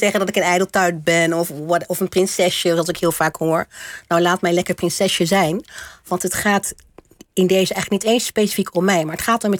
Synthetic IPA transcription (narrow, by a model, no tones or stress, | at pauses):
ɛχəndɑtɪkənɛjdəlˠtœɥt̚bɛnɔfʋɑɔfənprɪnsɛsəɑlˠsɪkɦɪːlˠfaːkhoːɹnawlaːt̚mɛjnlɛkəɹprɪnsɛsəzɛjnʋɑntɦətχaːt | ɪndejzəʔɛjχləknitejnspejsi̥fikʰɔmːɛjmaːɹətχaːtɔmɛ